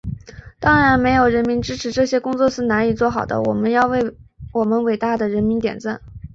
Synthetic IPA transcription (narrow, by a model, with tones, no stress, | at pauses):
t̪ɑ˥ŋɻa˧˥nme˧˥ɪjo˨˩ʊɻə˧˥nmi˧˥nʈ͡ʂɻ̩˥ʈ͡ʂʰɻ̩˧˥ʈ͡ʂɤ˥˩ɕjɛ˥kʊ˥ŋt͡swɔ˥˧ʂɻ̩˥˩na˧˥ni˨˩t͡swɔ˥˩xɑ˨˩ʊd̪ə̰˦wɔ˨˩mə˦njɑ˥˧ʊwe˥˩ɪwɔ˨˩mə˦nwe˨˩ɪt̪a˥˩d̪ə˩ɻə˧˥nmi˧˥nt̪jɛ̰˨˩nt͡sa˥˩n